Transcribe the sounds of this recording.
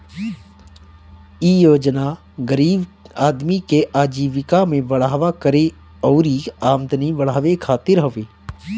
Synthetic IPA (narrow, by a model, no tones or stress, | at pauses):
ijoːd͡ʒna | ɡəɾiːbaːd̪mikeʔaːd͡ʒiːʋɪkamẽʋəɽ̤aːʋakəɾe | ɔːɾiaːmd̪ʱniʋəɽ̤aːʋekʰaːt̪ɪɾɦəʋeː